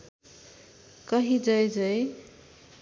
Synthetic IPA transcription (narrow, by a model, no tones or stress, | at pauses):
kʌɦid͡zʌjd͡zʌj